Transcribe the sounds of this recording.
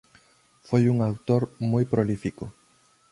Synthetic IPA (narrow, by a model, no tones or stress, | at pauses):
fojuŋawt̪oɾmojpɾolifikʊ